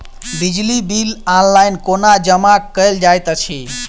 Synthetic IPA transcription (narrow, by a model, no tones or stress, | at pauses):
bid͡ʒlibilanlajnkonad͡ʒəmakːəjld͡ʒajt̪ət͡ʃʰi